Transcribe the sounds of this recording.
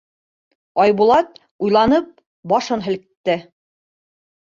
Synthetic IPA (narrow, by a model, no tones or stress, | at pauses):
ɑjβulˠɑt̪̚ | ujlˠɑnɤp̚ | bɑʃɤnɦɘ̆lkt̪ːɘ